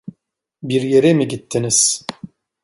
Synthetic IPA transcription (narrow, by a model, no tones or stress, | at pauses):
biɾjeɾɛmiɟit̪ʰːiniz̥